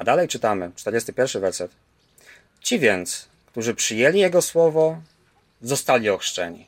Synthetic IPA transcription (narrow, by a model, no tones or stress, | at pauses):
ad̪alɛjt͡ʂɘt̪amɘt͡ʂt̪ɛɾd͡ʑest̪ɘpʲjɛɾfʂɘvɛɾsɛt̪ | t͡ɕivʲjɛnt̪s | kt̪uʐɘpʂɘjɛlʲijɛɡɔswɔvɔ | zɔst̪alʲiɔxʂt͡ʂɛɲḭ